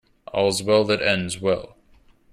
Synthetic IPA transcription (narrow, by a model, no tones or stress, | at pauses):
ʔɔ̰lˠzwɛlˠðɨɾɛ̃ndzwɛ̰lˠ